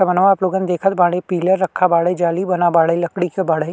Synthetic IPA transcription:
ɐmənʋaːploːɡən̆d̪eːkʰət̪̚baːɽepiːləɾːɐkʰːabaːɽəd͡ʒaːlibɐnabaːɽəjlɐkɽikobaːɽə

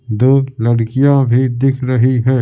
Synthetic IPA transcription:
d̪oːlɐɽkijãbʱid̪ɪkʰɾɐɦiɦɛː

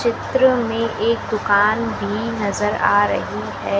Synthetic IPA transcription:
t͡ʃɪt̪ɾəmẽʔʔeːk̚d̪ʊkaːnbʱinɐzəɾa̰ːɾɐ̰ɦiɦɛː

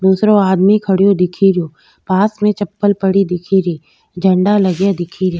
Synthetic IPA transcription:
d̪uːsɾoaːd̪mikʰɐɽijod̪ɪkʰiɾjoː | paːsmẽt͡ʃɐpːəlpɐɽid̪ɪkʰiɾiː | d͡ʒʱɐ̃ɳɖalɐɡjad̪ɪkʰiɾjoː

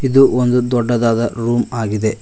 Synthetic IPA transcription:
id̪uʔond̪ud̪ɔɖːɐd̪aːd̪ɐɾuːmaːɡid̪e̞

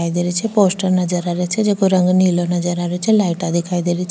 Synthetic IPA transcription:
ajd̪eɾet͡ʃʰeposʈəɾnəd͡ʒəɾaɾet͡ʃʰed͡ʒekʰoɾəŋɡnilonəd͡ʒəɾaɾet͡ʃʰelaiʈad̪ʱikʰajd̪eɾit͡ʃ

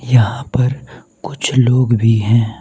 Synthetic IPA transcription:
jɐɦãpɐɾ | kʊt͡ʃʰloːɡbʱiɦɛ̃ː

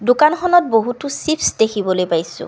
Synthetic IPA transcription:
dʊkanxɔnɔt̚boɦutʊsipsdekʰibɔlojpajsʊ̰̃

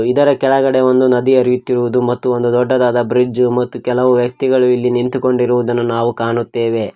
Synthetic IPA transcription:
id̪ɐɾɐkɛɭɐɡɐɽe̞ʋo̞nd̪unɐd̪iɐɾijut̪ːiɾuʋud̪umɐt̪ːuond̪ud̪ɔɖːɐd̪aːd̪ɐbɾid͡ʒumɐt̪ːukɛlɐʋuʋjɐk̚t̪iɡɐɭuilːinint̪uko̞ɳɖiɾuʋud̪ɐnːunaːʋukaːɳut̪ːe̞ːʋe̞

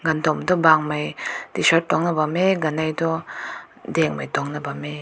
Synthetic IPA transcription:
ɡand̪ɔmdɔbaŋmajdisɔt̚tːɔŋnabameɡanajdɔ | dɛŋmajtɔŋnabame

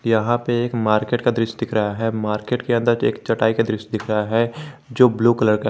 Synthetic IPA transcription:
jɐɦãpeeːkmaːɾkeːʈkad̪ɾɪʃd̪ɪkʰɾɐɦaɦɛmaːɾkeːʈkeɐ̃nd̪əɾt͡ʃḛːkt͡ʃɐʈaːikad̪ɾɪʃd̪ɪkʰɾɐɦaɦɛd͡ʒoːbluːkɐləɾka

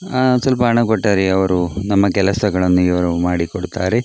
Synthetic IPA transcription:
sɐlpɐːɳɐkoʈːɐɾiɐʋɐɾunɐmːɐkɛlɐsɐɡɐɭɐnːuiʋɐɾumaːɽikoɽut̪aːɾe

